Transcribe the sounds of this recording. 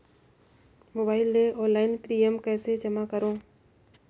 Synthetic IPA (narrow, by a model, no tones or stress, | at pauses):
moːbaːɪlːeʔɔ̃ːnlaːɪnpɾiːəmkɛːsed͡ʒəmakəɾõː